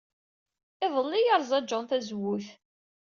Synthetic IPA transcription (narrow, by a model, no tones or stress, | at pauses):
ɪðˤəlːijəɾˤzˤɑd͡ʒːʊnθæzwːuθ